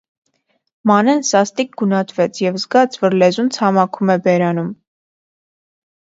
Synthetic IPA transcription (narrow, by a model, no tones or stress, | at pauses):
mɑnɛnsɑst̪ik̚ɡunɑt̪ʰvɛt͡sʰjɛvzɡɑt͡sʰvɔɾlɛzunt͡sʰɑmɑkʰumɛbɛɾɑnum